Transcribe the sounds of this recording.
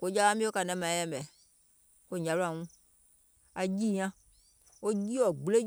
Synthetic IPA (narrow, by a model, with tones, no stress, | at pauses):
ko˨˦d͡ʒa˦a˦mĩ˦o˦ka˨nɛ̃˦mã˨˦ɛ˦mɛ˨ | ko˦˨ɲã˨la˨ŋũ˦ | a˨d͡ʒi˦˨ɲã˦ | wo˦d͡ʒi˦wɔ˨ɡ͡ble˦